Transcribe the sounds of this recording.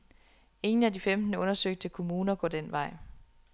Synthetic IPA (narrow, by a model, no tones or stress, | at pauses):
e̝ŋn̩ædifemd̥n̩əɔ̽nɐsøɡ̥̚d̥əkʰo̝muːnɐɡ̥ɒ̰ːd̥enʋɑ̈ɪ̰